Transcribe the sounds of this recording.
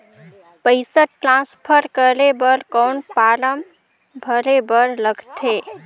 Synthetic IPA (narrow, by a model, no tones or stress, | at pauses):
pəɪsəʈɾãspʰəɾkəɾebəɾkɔːnpaːɾəm | bʱəɾebəɾləɡt̪ʰeː